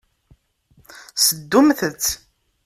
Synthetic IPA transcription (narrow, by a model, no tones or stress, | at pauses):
səd̪ːumθət͡sː